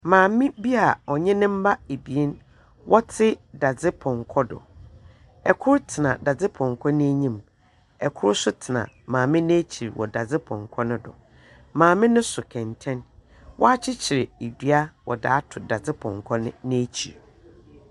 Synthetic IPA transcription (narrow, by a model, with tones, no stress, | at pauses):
mãː˨mɪ̃˦bi˦a˨ɔ˨ɲɛ̃˦nɪ̃˦m̩˦ba˦e˨bi˨e˦n | wʔɔ˦tʰɪ˦da˨d͡zɪ˦pʰɔ̃˨ŋ˨kʰɔ˦dʊ̰˨ | ɛ˨kʰʊ˦ɾtʰɪ˨nã̰˨da˨d͡zɪ˦pʰɔ̃˨ŋ˨kʰɔ˦nɪ̃˦æ˦ɲĩ˦m | ɛ˨kʰʊ˦ɾsʊ˦tʰɪ˨nã̰˨ | mãː˨mɪ̃˦nẽ˦t͡ɕʰi˨ɾwɔ̰˨da˨d͡zɪ˦pʰɔ̰̃˨ŋ˨kʰɔ˦nʊ̃˦dʊ̰˨ | mãː˨mɪ̃˦nʊ̃˦sʊ˨kʰɛ̃˨ntʰɛ̃˦n | wɔ˦a˦t͡ɕʰɪ˦t͡ɕʰɪ˨ɾɪ˨e˨dɥa˦wɔ̰˨da̰ː˨˦tʰʊ˨da˨d͡zɪ˦pʰɔ̰̃˨ŋ˨kʰɔ˦nɪ̃˦nɪ̃˦æ˦t͡ɕʰḭ˨ɾ